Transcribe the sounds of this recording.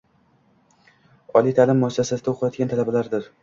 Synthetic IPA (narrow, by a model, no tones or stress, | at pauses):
ɒlijt̪ʰalɪmːʊasːasasɪd̪aoqʰɨlɒd̪ɡʲant̪ʰalabalaɾd̪ɪɾ